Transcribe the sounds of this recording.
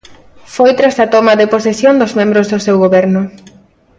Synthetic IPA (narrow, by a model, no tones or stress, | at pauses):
fojt̪ɾasat̪omɐðeposesjond̪ozmẽmbɾozðʊsewɣoβɛɾnʊ